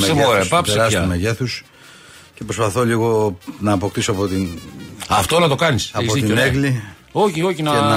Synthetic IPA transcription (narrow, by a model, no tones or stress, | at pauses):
eepɐpseɾɐsɐumeʝeθus | ce̞pɾospɐθo̞liɣo̞nɐːpo̞kt̪isoɐpo̞t̪inɐft̪olɐt̪o̞kɐnisɐzoðitioneɣli | oçio̞çinɐeɐ